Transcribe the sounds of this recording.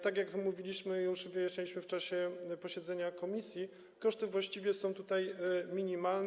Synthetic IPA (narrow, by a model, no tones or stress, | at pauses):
t̪aɡjakmuvʲilʲiɕmɘjuʂvɨjaɛlʲiɕmɘft͡ʂaɕɛpɔɕɛd̪zɛɲakɔmʲisʲji | kɔʂt̪ɘvwaɕt͡ɕivʲjɛsɔ̃w̃t̪ut̪ajmʲiɲimaln